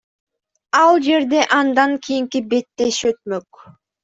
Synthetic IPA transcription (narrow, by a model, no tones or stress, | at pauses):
ɑlˠd͡ʒe̞ɾd̪eʔɑnd̪ɑŋkʰijiŋkibe̞t̪ːe̞ʃøt̪̚møk